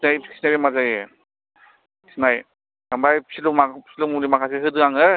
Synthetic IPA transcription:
snajisnaɾimazaje | snaj | dambajpsilumapsilumulimakʰaseɦɯdɯŋaŋɯ

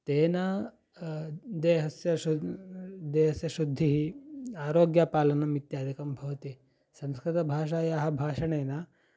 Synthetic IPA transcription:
t̪ena | d̪eɦɐsjɐu | d̪eːɦɐsjɐʃud̪ʱːiɦiaːɾoɡjapaːlɐnɐmit̪jaːd̪ʱikɐmbʱɐʋt̪i | sɐ̃mskɾit̪ɐbʱaːʂ̬ajaɦɐbʱaːʂɐɳena

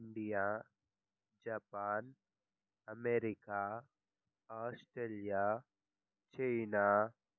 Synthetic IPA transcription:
ɳɖija | d͡ʒapaːn | ɐmeːɾika | aːsʈɾeːlija | t͡ʃeɪna

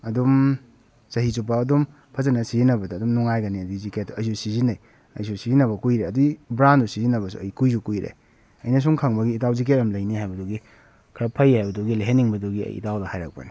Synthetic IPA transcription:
ɐdum | sɐɦizupaːdum | pʰɐzɐnɐsizinɐbɐdɐːdumnuŋajɡɐniɐdiziket̚ːuɐjsusizinɐj | ɐ̰jsusizinɐβɐkujɾeɐdiibɾandusizinɐbɐsṵɐjkujsukujɾḛ | ɐjnɐs̬uŋkʰaŋbɐɡiːtawzik̬etɐmlɐjnihajbɐduɡi | kʰɾapʰɐjhajbɐduɡileɦenːiŋbɐduɡiɐ̰jḭtawdɐhajɾa̰k̚pɐ̰ni

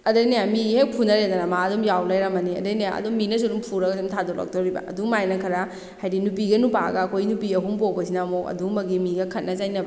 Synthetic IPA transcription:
ɐdɐjnajamihepʰunɐɾend̪ɐnamaɐdɔmjawlajɾɐmɐniɐ̰dɐjnaja̰ʔɐ̰dumːinɐs̬odumpʰuɾɐɡɐdumtʰadɔla̰k̚toɾibɐ̰ɐ̰dumajnɐkʰɐɾa | hajdinupiɡɐnupa̰ɡɐːkʰojnupiɐɦumpowbɐsinamokɐ̰dumɐɡimiɡɐkʰɐt̚nɐzajnɐbɐ

